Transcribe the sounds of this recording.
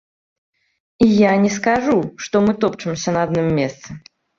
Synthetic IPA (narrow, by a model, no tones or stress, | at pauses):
ijanʲɛskaʐuʂt̪ɔmɨt̪ɔpt͡ʂɨmsʲɐnɐad̪nɨmːʲɛst̪sɐ